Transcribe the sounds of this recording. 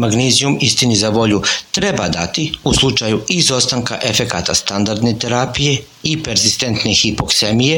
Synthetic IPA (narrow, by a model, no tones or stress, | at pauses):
maɡnizijumist̪inizaʋo̞ʎut̪ɾe̞bad̪at̪iuslˠut͡ʃajuizo̞st̪aŋka̰ʔe̞fe̞kat̪ast̪and̪aɾd̪ne̞t̪e̞ɾapije̞ | ipe̞ɾzist̪e̞nt̪ne̞xipo̞kse̞mije